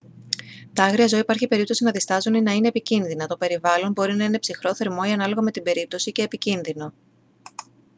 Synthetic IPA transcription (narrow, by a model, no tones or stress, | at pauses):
t̪ɐɐɣɾiɐzo̞ipɐɾçipe̞ɾipt̪o̞sinɐðist̪ɐzuninɐine̞ːpicinðinɐt̪o̞pe̞ɾivɐlo̞nbo̞ɾinɐine̞psixɾo̞θe̞ɾmo̞iɐnɐlo̞ɣɐme̞t̪ibe̞ɾip̚t̪osice̞ːpicinðino̞